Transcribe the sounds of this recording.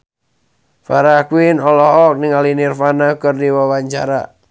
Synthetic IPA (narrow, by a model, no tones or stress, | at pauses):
faɾakwinɔlɔɦɔk̚niŋalinirfanakɨrdiwawaɲt͡ʃa̰ɾa̰